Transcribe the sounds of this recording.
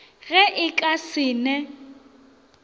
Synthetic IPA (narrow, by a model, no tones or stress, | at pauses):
ɣɛʔɪkʼasɪːnɛ